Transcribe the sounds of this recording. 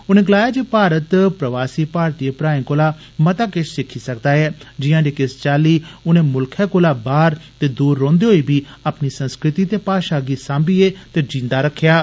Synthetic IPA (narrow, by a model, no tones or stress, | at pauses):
ʊnẽːɡəlaːjaːd͡ʒeːpaːɾət̪pɾəʋaːsiːpaːɾt̪iːepɾaːĩːkoːlaː | mət̪aːkɪt͡ʃʰsɪkʰiːsəkd̪aːɛːd͡ʒɪjãːd͡ʒeːkɪst͡ʃaːliːʊnẽːmʊlkʰɛːkoːlaːbaːɾt̪eːd̪uːɾːõːnd̪eɦoːiːbiːaːpniːsə̃nskɾɪt̪iːt̪eːpaːʃaːɡiːsãːmbiːeːt̪eːd͡ʒĩːnd̪aːɾəkʰːjaː